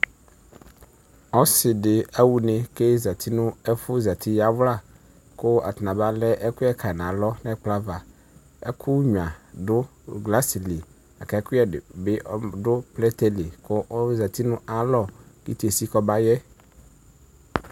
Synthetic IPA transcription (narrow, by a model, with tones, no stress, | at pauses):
ɔ˦sɪ˨dɪ˨a˦wu˨nɪ̃˦ke˦za˨t̪ʰi˦nʊ̃˦ɛ˦fʊ˦za˨t̪ʰi˦ja˦vla˦˨ | kʊ˦a̰˨t̪nã˨ba˦lɛ˦ʔɛ˦kʊ˦ɛ˦kʰa˨nã˨lɔ˦nɛ̃˦k͡pla˦va˨ | ɛ̰˦kʰʊ˦ɲ˨a˨dʊ˦ɡla˦si˨li˨ | a˨kɛ˨˦kʊ˦ɛ˨bɪ˦ʔdʊ˦plɛ˦t̪ɛ˦li˨kʰʊ˦ʔza˨t̪ʰi˦nʊ̃˦ʔa˦lɔ˨kḭ˦te˨si˦kɔ˦ba˦jɛ˦